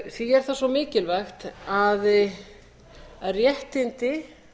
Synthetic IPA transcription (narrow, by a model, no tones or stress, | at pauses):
θiɛɾ̥θasɔmɪːcɪlvaxt̪að | aðrjɛht̪ɪnt̪ɪ